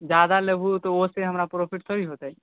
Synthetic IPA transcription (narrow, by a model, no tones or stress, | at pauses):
d͡ʒad̪aləbʱut̪ooseɦəmɾapɾopʰiʈsʰɔbiɦot̪ai